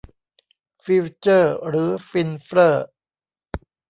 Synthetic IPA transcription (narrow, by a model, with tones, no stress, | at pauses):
fiː˧wt͡ɕɤː˥˩ɾɯː˩˦fi˧nfɾɤː˥˩